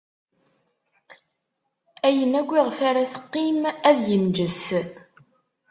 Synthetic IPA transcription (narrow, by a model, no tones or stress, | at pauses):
æjənæɡʷːiʁfaɾæθə̥qːimæðjəmd͡ʒəs